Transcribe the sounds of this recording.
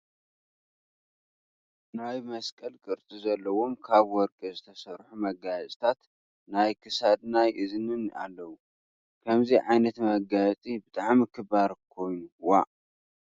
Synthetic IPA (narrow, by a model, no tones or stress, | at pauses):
najmɐskʼɐlkʼɨɾt̪ʼizɐlːɐwo̞mkʰaβwɔɾkʼizɨt̪ʰɐsɐɾħumɐɡajt͡sʼt̪ʰat̪ | najkʰɨsad̪najʔɨzɨnɨnʔa̰lːɐwu | kʰɐmziʕajnɐt̪mɐɡajt͡sʼibɨt̪ʼaʕmikʰɨbaɾkʰo̞jnuwa